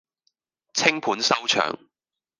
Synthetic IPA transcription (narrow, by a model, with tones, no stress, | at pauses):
t͡sʰɪ˥ŋpʰuː˨˥nsɐ˥wt͡ʃʰœ̰ː˨ŋ